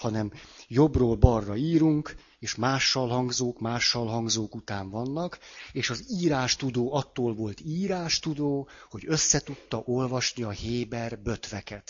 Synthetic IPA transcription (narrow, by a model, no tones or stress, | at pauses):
ɒnɛmjo̞broːlbɒrːɒiːɾuŋk | eːʃmaːʃːɒlɦɒŋɡzoːkmaːʃːɒlɦɒŋɡzoːkut̪aːɱvɒnːɒkeːʃɒziːɾaːʃt̪ud̪oːɒt̪ːoːlvo̞lt̪iːɾaːʃt̪ud̪oːho̞ɟø̞sːɛt̪ut̪ːɒʔo̞lvɒʃniɒheːbɛrbø̞t̪ʋɛkɛt̪